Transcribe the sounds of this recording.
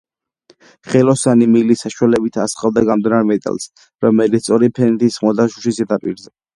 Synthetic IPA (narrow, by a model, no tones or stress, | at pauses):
χɛlɔsanimilisaʃwalɛbit̪ʰasχalˠd̪aɡamd̪naɾmɛt̪ʼa̰lˠs | ɾɔmɛlit̪sʰt̪ʼɔɾipʰɛnɛt̪ʰisχmɔd̪aʃuʃisɛd̪apʼiɾzɛ